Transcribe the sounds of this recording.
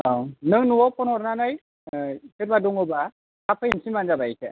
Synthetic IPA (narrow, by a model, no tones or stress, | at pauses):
awnɯŋnuɔpɔnɔɾnanaj | keɾbaduŋɔba | kapʰɯinsimanzabajkʰe